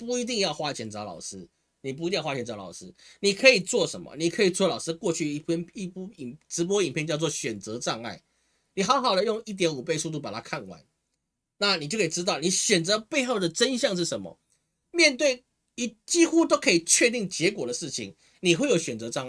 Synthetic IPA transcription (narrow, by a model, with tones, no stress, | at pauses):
pu˥˩i˧˥t̪̬i˥˧ŋjɑ˥˧ʊxwa˥t͡ɕʰjɛ˧˥nt͡sɑ˧˥lɑ̰˨˩ʊʂɻ̩˥ | ni˨˩p̬u˧i˧i˥˧jwa˥t͡ɕʰɛ˧˥t͡sɑ˧˥lɑ̰˨˩ʊʂɻ̩˦ni˨˩kʰɤ˧˦˥i˨˩t͡swɔ˥˩ʂə̰˧˦nmə̰˨ni˨˩kʰə˧˥i˨˩t͡swɔ˥˩lɑ˨˩ʊʂɻ̩˥˦kwɔ˥˧t͡ɕʰy˥˧i˥pʰni˥˩pu˥˩i˨˩ʈ͡ʂɻ̩˧˥p̬wɔ˥i˨˩mpʰjɛ˥˧nt͡ɕjɑ˥˧ʊt͡swɔ˥˨˩ɕɥɛ˨˩nt͡sɤ˧˦ʈ͡ʂɑ˥˧ŋa˥˩ɪ | ni˨xɑ˧˥xɑ˨˩ʊd̪ə˨jo˥˧ŋi˥˩t̪̬jɛ˧˥nu˨˩pe˥˧ɪsu˥˧t̪̬u˥˩pa˨˩t̪ʰa˦˥kʰa˥˨nwa̰˧˦n | na˥˨ni˨t͡ɕo˥˧kʰʈ͡ʂɻ̩˦t̪̬ɑ˥˩ʊni˨˩˦ɕɥɛ˨˩nt͡sɤ˧˦pe˥˧ɪxo˥˩ʊd̪ə˨˩ʈ͡ʂə˦nɕjɑ˥˧ŋʂ̬ɻ̩˥˩ʂə˧˦nmə̰˨ | mjɛ˥˧nt̪we˥˩ɪ | i˨˥t͡ɕi˦˥xu˦t̪o˥ʊkʰɤ˧˥i˨˩t͡ɕʰɥɛ˥˧t̪i˥˩ŋt͡ɕjɛ˨˧˥kwɔ˨˩d̪ə˩ʂɻ̩˥˩t͡ɕʰḭ˨˩ŋ | ni˨xwe˥˩jo˨˩ʊɕɥɛ˨˩nt͡sɤ˧˦ʈ͡ʂɑ˥˧ŋ˥˩